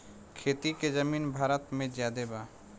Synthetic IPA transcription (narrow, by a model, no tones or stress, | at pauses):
kʰeːt̪iked͡ʒəmiːnbʱaːɾət̪mẽd͡ʒjaːd̪ebaː